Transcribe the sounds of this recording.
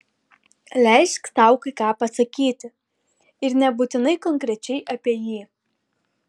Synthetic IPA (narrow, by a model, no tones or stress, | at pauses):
lʲɛˑɪʃʲksɑˑʊkɐɪkɑːpɐsɐkʲiːt̪ʲɪ | ɪɾnʲɛbuːt̪ʲɪnɐɪkɔŋʲkɾʲɛt͡ʃʲɛɪʔɐpʲiɛjiː